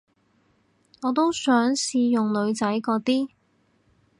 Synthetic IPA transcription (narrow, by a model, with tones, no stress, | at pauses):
ŋɔː˨˧t̪o˥wsœː˨˥ŋsiː˧jʊ˨ŋlɵ˨˧ɥt͡sɐ˨˥jkɔː˧t̪iː˥